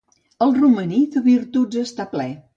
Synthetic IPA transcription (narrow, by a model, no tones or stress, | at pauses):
əlˠruməniðəβiɾt̪ud͡zəst̪aplɛ